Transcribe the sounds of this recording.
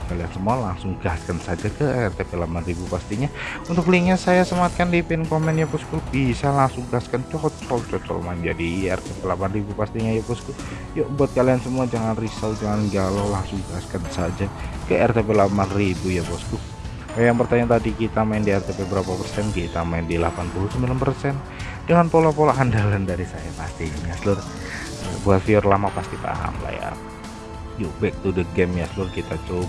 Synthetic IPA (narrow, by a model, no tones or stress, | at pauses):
kaliansəmualaŋsʊŋəɡaskansad͡ʒakəɛrt̪epelapanribupast̪iɲaunt̪ʊkliŋɲasajasəmaŋat̪̚kandipɛnkomɛnjapɔskʊbisalaŋsʊŋɡaskant͡ʃɔt͡ʃɔlt͡ʃɔt͡ʃɔ̰lmaɪnd͡ʒadiɛ̰rt̪epelapanribupast̪iɲajapɔsku | jabuat̪̚kaliansəmuad͡ʒaŋanrisawd͡ʒaŋanɡalawlaŋsʊŋɡaskansad͡ʒakajʔɛrt̪epelapanribujapɔsku | ajaŋpərt̪aɲat̪adikit̪amaɪndiɛrt̪epebəɾapapərsɛnkit̪amaɪndilapanpulʊsəmilampərsɛn | dəŋanpolapolaɦandalandaɾisajapast̪iɲjaslʊr | a̰buafiɔrlamapast̪ip̪a̰ɦa̰mla̰ja̰ | jubɛk̚t̪udəɡɛmjaslʊrkit̪at͡ʃob